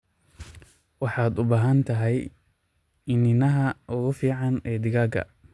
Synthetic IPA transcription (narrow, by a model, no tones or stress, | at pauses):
wɑħɑːd̪ʊbaːɦɐnt̪ʰɐɦɛj | ɪnɪnɐɦɐʔʊɣʊfiːʕɑnɛːd̪ɪɣaːɡɐ̰